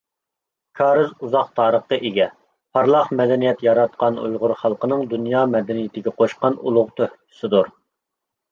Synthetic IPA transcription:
kʰɑːɾɨzuzɑqt̪ʰɑːɾəχqəʔeɡʲɛ | pʰɑɾlˠɑχmɛd̪ɛnijɛt̪jɑɾɑt̪̚qɑnṵjʁʊɾχɑlˠqənɨŋd̪unjɑːmɛd̪ɛnijɪt̪ʰɪɡʲɛqʰoʃqɑnṵlˠʊʁt̪ʰøhkʲʰʊ̥sɨd̪uɾ

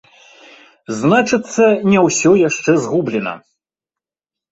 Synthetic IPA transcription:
znat͡ʂɨt̪sːɐnʲɛwsʲɔjaʂt͡ʂɛzɣublʲɛnɐ̰

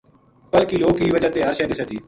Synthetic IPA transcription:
pəlkiːloːkiːʋəd͡ʒat̪eːəɾʃeːd̪ɪseːt̪ʰiː

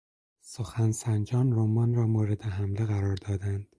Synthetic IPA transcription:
soxænsænd͡ʒɒːnɾomɒːnɾɒːmoːɾe̞d̪eɦæmleɣæɾɒːɾd̪ɒːd̪ænd̪̥

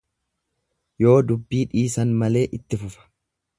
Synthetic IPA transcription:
jo̞ːd̪ʊbːiːᶑiːsɐnmɐle̞ːʔɪt̪ːɪfʊfɐ̥

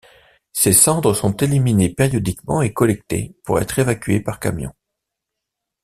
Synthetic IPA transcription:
sesɑ̃d̪ʁəsɔ̃t̪eliminepeʁjɔd̪ikmɑ̰̃ekɔlɛk̚t̪ḛpuʁɛ̰t̪χevakʲɥḛpaʁka̰mjɔ̰̃

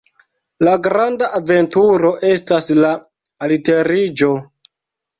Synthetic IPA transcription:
laɡɾandaʔːve̞ntuɾo̞ʔe̞staslaː | lite̞ɾid͡ʒo̞

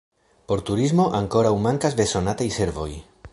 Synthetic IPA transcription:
po̞ɾt̪uɾizmo̞ʔaŋko̞ɾawmaŋkazd̪e̞so̞nat̪ajse̞ɾvo̞j

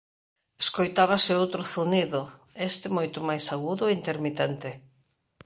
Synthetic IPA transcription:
eskojt̪aβasɪowt̪ɾʊθuniðʊ | est̪ɪmojt̪ʊmajsaɣuðʊeint̪eɾmit̪ɛnt̪ɪ

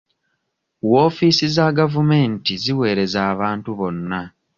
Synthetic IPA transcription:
woːfiːsizaɡavume̞ːntiziwe̞ːɾe̞zaːβaːntuβo̞nːa

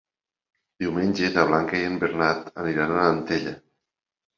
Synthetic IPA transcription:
d̪̥iwmenʲd͡ʒeðəβ̞laŋkəiəmbeɾnat̪əniɾanələnt̪eʎə

